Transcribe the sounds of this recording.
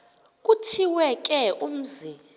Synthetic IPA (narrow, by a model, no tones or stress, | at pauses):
k̬ʼutʰiwɛk̬ʼɛʔum̩zi